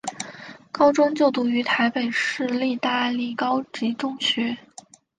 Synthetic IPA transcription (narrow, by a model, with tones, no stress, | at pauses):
kɑ˥ʊʈ͡ʂwʊ˥ŋt͡ɕjo˥˩ʊt̪u˧˥y˧˥t̪ʰa˧˥ɪpe˨˩ɪʂɻ̩˥˧li˥˧t̪a˥˧li˥˩kɑ˥ʊt͡ɕi˧˥ʈ͡ʂʊ˥ŋɕɥɛ˧˥